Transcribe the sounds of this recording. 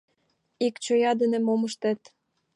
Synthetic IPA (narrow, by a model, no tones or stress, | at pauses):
ikt͡ɕojɑd̪ə̆nĕmoməʃt̪ĕt̪